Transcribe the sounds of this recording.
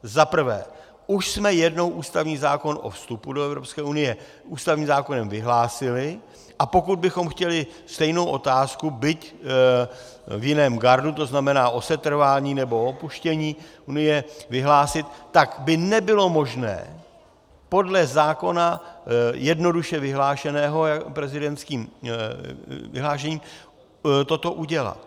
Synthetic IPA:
zapr̩vɛ̰ː | ʔuʃsmɛjɛdno̞wʔuːst̪avɲiːzaːko̞nʔo̞̰fst̪upudoɛvɾo̞pskɛːunɪjɛ | ʔuːst̪avɲiːmzaːko̞nɛmvɪɦlaːsɪlɪ | ʔapo̞kud̪̚bɪxo̞mxcɛlɪst̪ɛjnowʔo̞t̪aːskubɪc | vjɪnɛːmɡaɾdut̪oznamɛnaːʔo̞sɛt̪r̩vaːɲiːnɛbo̞opuʃcɛɲiːʔunɪjɛvɪɦlaːsɪt̪ːakbɪnɛbɪlo̞mo̞ʒnɛ̰ː | po̞dlɛzaːko̞najɛdno̞duʃɛvɪɦlaːʃɛnɛːɦo̞japɾɛzɪdɛnt̪skiːm | vɪ̰ɦlaːʃ̬ɛɲiːm | t̪o̞t̪o̞ʔuɟɛla̰t̪

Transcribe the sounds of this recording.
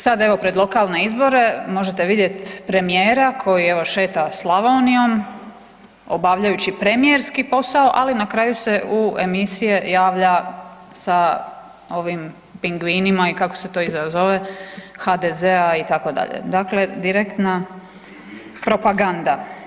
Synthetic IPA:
sad̪e̞ʋo̞pɾed̪lˠo̞kaːlˠne̞izbo̞ɾe̞mo̞ʒe̞t̪e̞ʋid̪je̞t̪pɾe̞mijeːɾakʰo̞jie̞ʋo̞ʃe̞ːt̪aslˠaʋonio̞m | o̞̰baːʋʎajut͡ɕipɾe̞mijeɾskipo̞saoʔalinakɾaːjuse̞ʔuemisije̞jaːʋʎa | sa | o̞ʋim | piŋɡʋinimaikako̞̥se̞t̪o̞izazoʋe̞xad̪ezeait̪ako̞d̪a̰ʎḛd̪akle̞d̪iɾekt̪na | pɾo̞paɡand̪a

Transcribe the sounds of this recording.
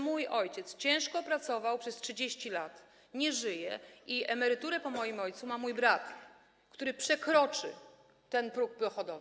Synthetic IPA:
mujɔjt͡ɕɛt̪st͡ɕɛ̃w̃ʂkɔpɾat̪sɔvawpʂɛstʂɘd͡ʑeɕt͡ɕilat̪ | ɲɛʐɘjɛiɛmɛɾɘt̪uɾɛpɔmɔjimɔjt̪sumamujbɾat̪ | kt̪uɾɘpʂɛkɾɔt͡ʂɘ̰ | t̪ɛnpɾuk̚pɔxɔd̪ɔv

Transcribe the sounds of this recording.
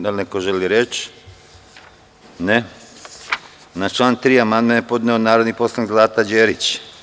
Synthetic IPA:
alnekoʒeliɾet͡ʃ | ne | nat͡ʃlˠaːnt̪ɾiːamand̪menepo̞d̪neonaːɾod̪nipo̞slˠanikzlˠaːt̪ad͡ʒeːɾit͡ɕ

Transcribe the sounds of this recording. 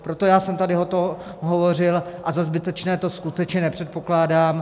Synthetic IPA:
pɾo̞t̪o̞jaːsɛmt̪adɪɦot̪o | ɦovo̞r̝ɪlʔazazbɪt̪ɛt͡ʃnɛːt̪o̞skut̪ɛt͡ʃɲɛnɛpr̝̥ɛt̪̚po̞klaːdaːm

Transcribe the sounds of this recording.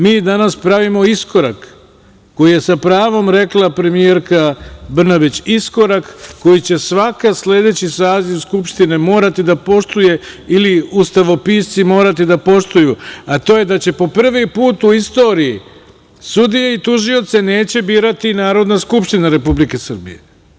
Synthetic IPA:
miːd̪anaspɾaʋimo̞isko̞ɾa̰kː | o̞jije̞sapɾaːʋo̞mɾe̞klˠapɾe̞mie̞ɾkabr̩nabit͡ɕisko̞ɾakːo̞jit͡ɕe̞sʋakasle̞d̪e̞t͡ɕisaːziʋskupʃt̪ine̞mo̞ːɾat̪id̪apo̞ʃt̪uje̞iliust̪aʋo̞piːst̪simo̞ːɾat̪id̪apo̞ʃt̪ujuat̪o̞ːje̞d̪at͡ɕe̞po̞pr̩ʋipuːt̪uist̪o̞ːɾiji | sud̪ijeit̪uʒio̞t̪se̞ne̞ːt͡ɕe̞biːɾat̪inaːɾo̞d̪naskupʃt̪inaɾe̞publike̞sr̩bḭjḛ

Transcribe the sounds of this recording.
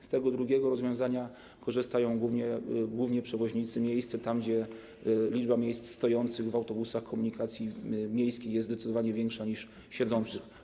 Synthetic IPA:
st̪ɛɡɔd̪ɾuɡʲjɛɡɔɾɔzvʲjɔ̃w̃zaɲa | kɔʐɘst̪ajɔ̃w̃ɡwuvɲɛɡwuvɲɛpʂɛvɔʑɲit̪sɘmʲjejst̪sɛt̪amɡd͡ʑɛ | lʲid͡ʐbamʲjejst̪st̪ɔjɔnt̪sɘɣvawt̪ɔbusaxkʰɔmuɲikat̪sʲjimʲjejskʲejɛzɛt̪ɨd̪ɔvaɲɛvʲjɛŋkʂaɲiʂ | ɕɛd̪zɔnt̪sɘx

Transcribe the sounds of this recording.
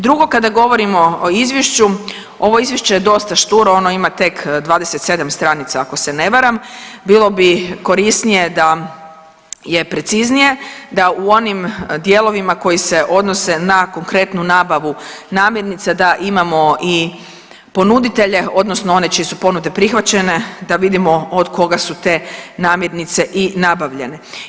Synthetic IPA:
d̪ɾuɡo̞kad̪aɡo̞ʋo̞ɾimo̞oizʋjeʃt͡ɕu | o̞ʋo̞izʋjeʃt͡ɕe̞jed̪o̞st̪aʃt̪uɾoo̞no̞imat̪e̞kd̪ʋaːd̪eset̪se̞d̪amst̪ɾanit̪saːko̞se̞ne̞ʋaɾambilo̞biko̞ɾist̪nije̞d̪a | je̞pɾe̞t̪siznije̞d̪auo̞nimd̪jeːlˠo̞ʋimako̞jise̞ʔo̞d̪no̞se̞nako̞ŋkɾe̞t̪nunaːbaʋu | naːmje̞ɾnit̪sad̪aʔimamo̞i | po̞nud̪it̪e̞ʎe̞o̞d̪nosnoo̞ne̞t͡ʃijesupo̞nud̪e̞pɾixʋat͡ɕene̞d̪aʋid̪imo̞od̪kʰo̞ɡasut̪e̞naːmjeɾnit̪se̞ʔinabaʋʎe̞ne̞

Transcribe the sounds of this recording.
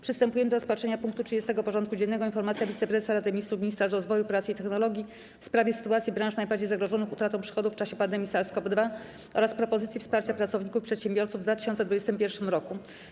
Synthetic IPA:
pʂɨst̪ɛmpujɛmɘd̪ɔɾɔspatʂɛɲapuŋk̚t̪utʂɨd͡ʑest̪ɛɡɔpɔʐɔnt̪kud͡ʑɛnːɛɡɔinfɔɾmat̪sʲjavʲit̪sɛpɾɛsaɾad̪ɛmʲist̪ɾumʲiɲist̪ɾaʐɾɔzvɔjupɾat̪sɘit̪ɛxnɔlɔɡʲji | fspɾavʲjɛsɘ̥t̪uat̪sʲibɾãʂnajbaɾd͡ʑejzaɡɾɔʐɔnɨxut̪ɾat̪ɔ̃w̃pʂɘ̥xɔd̪uft͡ʂaɕɛpand̪ɛmʲisaɾskɔbd̪va | ʔɔ̰ɾaspɾɔpɔzɘt̪sjifspaɾt͡ɕapɾatsɔvɲikufpʂɛt̪ɕembʲjɔɾt̪suvd̪vat̪ɘɕɔnt̪sɛd̪vud͡ʑɛst̪ɘmpʲjɛɾfʂɘmɾɔku

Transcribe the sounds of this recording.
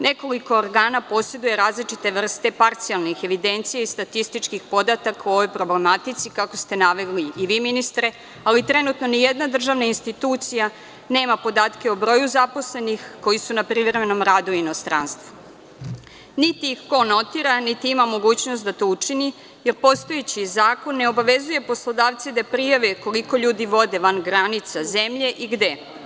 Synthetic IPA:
nʔe̞ko̞liko̞ːɾɡaːnapo̞se̞d̪uje̞ɾaːzlit͡ʃit̪e̞ʋr̩st̪e̞paɾt̪sijalˠnixe̞ʋid̪e̞nt̪sijeist̪at̪ist̪it͡ʃkixpo̞d̪at̪akauo̞ʋo̞jpɾo̞blemat̪it̪sikako̞st̪e̞naʋeɡliːʋiːminist̪ɾe̞ | alit̪ɾe̞nuːt̪no̞nijed̪nad̪r̩ʒaːʋnainst̪it̪uːt̪sija | ne̞ːmapo̞d̪aːt̪keobɾo̞ːjuzapo̞sle̞nixko̞jisunapɾiʋɾemeno̞mɾaːd̪uino̞st̪ɾa̰nst̪ʋu | nit̪iːxko̞no̞t̪iɾanit̪iimamo̞ɡuːt͡ɕno̞st̪d̪at̪o̞ut͡ʂini | je̞ɾpo̞st̪o̞jet͡ɕizaːko̞nːe̞o̞baʋe̞zuje̞po̞slˠod̪aːʋt̪sid̪apɾijaʋeko̞liko̞ʎuːd̪iʋo̞d̪e̞ʋanɡɾanit̪saze̞mʎe̞ʔiɡd̪e̞

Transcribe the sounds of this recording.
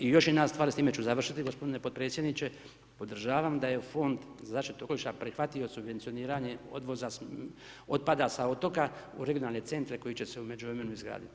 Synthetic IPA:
ijo̞ʃjenast̪ʋaːɾst̪iːme̞t͡ɕuzaʋr̩ʃit̪iɡo̞spod̪ine̞pot̪pɾe̞ːt̪sʲjed̪nit͡ɕe̞ | po̞d̪r̩ʒaːʋamd̪aje̞fo̞nd̪ | zaːʃt̪it̪okoliʃt̪apɾixʋat̪iosubʋent̪sio̞niːɾaɲe̞o̞̰d̪ʋo̞zas | o̞t̪̚pad̪asao̞t̪o̞kaṵɾe̞ɡionaːlne̞t̪se̞nt̪ɾe̞ko̞jit͡ɕe̞seume̞d͡ʒuvɾe̞me̞nuizɡɾa̰ːd̪ḭt̪i

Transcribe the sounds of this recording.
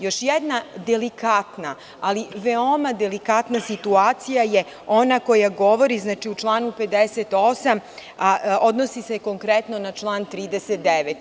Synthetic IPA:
jo̞ʃjɛd̪nad̪elikat̪naː | liʋeo̞mad̪elikat̪nasit̪uaːt̪sijaje | o̞nako̞jaɡo̞ʋo̞ɾiznaːt͡ʃiut͡ʃlˠaːnuped̪eset̪o̞samao̞d̪nosise̞ko̞ŋkɾet̪no̞nat͡ʃlˠaːnt̪ɾiːd̪eset̪̚d̪eʋet̪

